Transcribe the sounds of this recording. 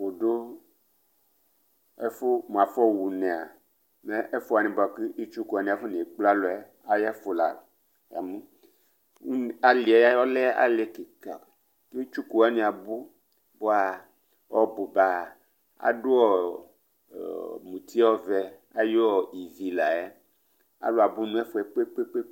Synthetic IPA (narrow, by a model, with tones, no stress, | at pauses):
wo˨ɖo˦ | e˦fo˦mũ˨a˨fɔ˦wu˨nɛ̃˨a̰˨ | me˦ʔe˦fo˦a˨nĩ˨ba˨ki˦i˦t͡ʃu˦ku˨a˨nĩ˦a˨fo˦nĩ˨e˨k͡pla˦lo˨ɛ˦ | a˨ja˦fo˨la̰˨ | a̰˨mũ˦ | u˦˨a˨li˨a˨ja˦ɔ˦lɛ˦a̰˨le˦ke˨ka˨ | ke˦i˦t͡ʃu˦ku˨a˦nĩ˨a˨bu˦ | bo˦a˨ | wɔ˦bo˨ba˨ | a̰˨do˦ɔ˦˨ | mũ˨t̪ʰi˦wɔ˦vɛ˨ | a˦jo˦ɔ˨i˨vi˨la˨ɛ˦ | a̰˦lo˨a˨bu˦nũ˦ɛ˦fo˦ɛ˨k͡pe˦k͡pe˦k͡pe˦